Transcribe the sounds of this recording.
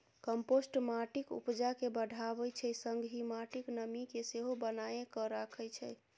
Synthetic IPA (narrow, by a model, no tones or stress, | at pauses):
kəmposʈmaʈikṵpd͡ʒakebəɖʱaβət͡ʃʰɛsəŋɡɦimaʈiknəmikeseɦobənaekɔɾakʰəjt͡ʃʰɛ̰